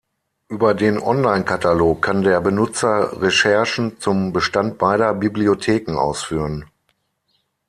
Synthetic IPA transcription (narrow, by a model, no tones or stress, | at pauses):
ʔyːbɐdeːnʔɔnlaɪnkʰataloːkʰːandeːɐbənʊt͡sɐʁɛʃɛɐʃn̩t͡sʊmbəʃtant̚b̥aɪɾɐbibliotʰeːkŋ̩ʔa̰ʊsfyːʁən